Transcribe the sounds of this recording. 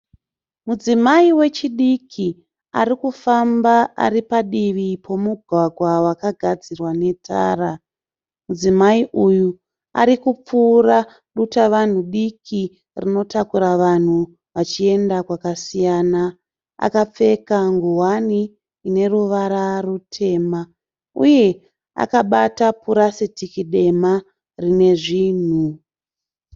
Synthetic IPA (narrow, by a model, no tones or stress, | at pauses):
mud͡zimaiwe̞t͡ʃiɗikʰi | a̰ɾikufambaʔa̰ripaɗiʋipʰo̞muɡʱwaɡʱwawakaɡʱad͡zirwane̞tʰa̰ːra | mud͡zimaiʔuju | a̰ɾikup͡fuːra | ɗutaʋan̤uɗikʰi | rino̞takuɾaʋan̤u | ʋat͡ʃie̞ndakwakasijaːna | a̰kap͡fe̞kaŋɡuɦwaniː | ne̞ruʋaɾarutʰe̞ma | uje̞ | a̰kaɓatapuɾasetikiɗe̞ma | rine̞ʐiːn̤u